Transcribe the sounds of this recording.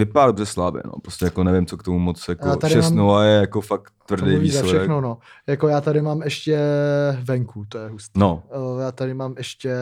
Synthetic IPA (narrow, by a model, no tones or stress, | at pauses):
vɪpaadobrɛslabɛ̰no̰pɾoscɛjakonɛvɪmt͡sokt̪omumot͡sjakjoaːt̪aʃɾɪɛmasːmnulajɛjakofak̚t̪ːvr̩dɛjvizsalɛʃdɛxnono | jakojaːt̪adɪmaːmɛʃcɛvɛŋkut̪ojɛɦust̪inojaːt̪adɪmaːmɛʃcɛ